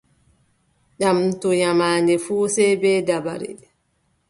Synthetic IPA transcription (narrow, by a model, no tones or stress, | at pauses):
ɗamtɔjamaːndɛfuːsɛbɛːdaba̰ɾḭ